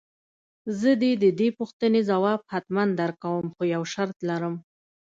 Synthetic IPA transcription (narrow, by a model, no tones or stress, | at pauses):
zəd̪ed̪əd̪epuxt̪ənezawɑb̚hat̪mand̪aɾkawəmxojawʃaɾt̪laɾəm